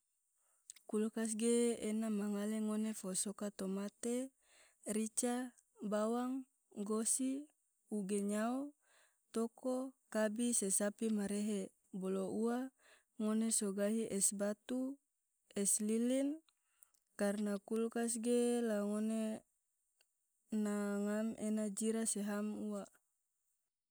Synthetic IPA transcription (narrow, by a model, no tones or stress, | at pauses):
kulkas̬ɡeːnamaŋaleŋonefosokat̪omat̪e | ɾit͡ʃa | bawaŋ | ɡosi | uɡeɲao | t̪okokabisesapimaɾeɦe | boloua | ŋonesoɡaɦiʔɛsbat̪u | ɛslilin | karnakulkas̬ɡelaŋone | naŋamʔenad͡ʒiɾaseɦamuwa